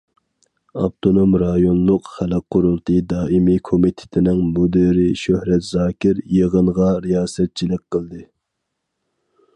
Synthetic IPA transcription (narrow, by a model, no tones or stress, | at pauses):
ɑpt̪ʰonomɾɑjonlˠʊqχælɛk̚qʰːʊɾulˠt̪ʰɨd̪ɑːʔimikʰomit̪ʰɪ̥t̪ʰɪnɪŋmod̪ɨɾɪʃøhɾɛt̪zɑːkʲʰɪɾjəʁəɴʁɑɾijɑːsɛt̪̚t͡ʃʰilɪk̚ʲqʰəlˠd̪ɨ